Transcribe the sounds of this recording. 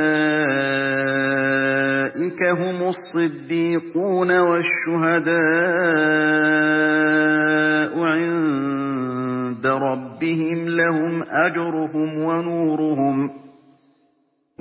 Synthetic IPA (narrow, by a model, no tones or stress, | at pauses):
ʔɪkaɦʊmʊsˤːɨd̪ːiːquːnawaʃːʊɦad̪aː | ʔʊʕɪn | d̪aɾˤɑbːɪhɪmlahʊmʔad͡ʒɾˤʊɦʊmwanuːɾʊɦʊm